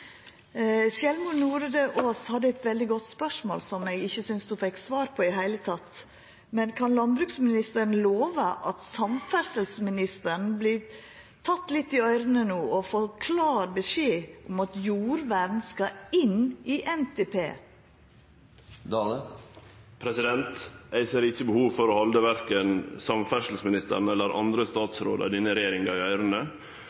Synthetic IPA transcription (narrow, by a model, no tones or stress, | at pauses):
ʃjɛlmʉnuːɾəd̪əʔoːshɑd̪ːəɛt̪ʋɛld̪ɪɡɔt̪spœʂmo̰ːlsɔmɛɡɪçːəsʏnsd̪ufɛksʋɑːɾpʰɔɪɦæɪlət̪ʰɑt̪ː | mɛnkʰɑnlɑnbɾʉːksmɪnɪst̪əɾn̩loːʋəʔɑt̪sɑmfæɾsəlsmɪnɪst̪əɳ̩blɪː | t̪ʰɑt̪ːlɪt̪ːɪœʏɾənənuːɔfɔkʰlɑːɾbəʂeːʔʊmɑt̪juːɾʋæɖ̪n̩skɑɪniːʔɛnt̪ʰepʰḛː | pʰɾɛsɪd̪ɛnt̪æɪsəɾɪçəbəhuːʋfɔɾɔhɑld̪əʋæɾkənsɑmfæʂəlsmɪnɪst̪ə̰ɾn̩ɛlːəɾʔɑ̰nd̪ɾəst̪ɑːt̪sɾo̰ːd̪ə̰ɾd̪ɪnəɾɛjeːɾɪŋɑɾɪœʏɾənə